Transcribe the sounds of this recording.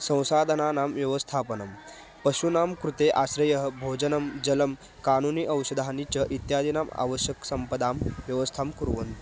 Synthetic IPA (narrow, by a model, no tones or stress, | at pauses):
sɐ̃w̃saːd̪ʱənanaːmʋjɐʋəst̪ʰaːpənɐm | pɐɕunaːmkɾut̪eʔasɾɐjəɦəbʱod͡ʑənəmd͡ʑɐləm | kaːnuniːʔɐwsəd̪ʱanit͡ɕɐʔit̪jaːd̪ʱinaːma̰ʋəɕjəksɐmpəd̪aːmʋjɐʋəst̪ʰaːmkuɾʋɐ̰n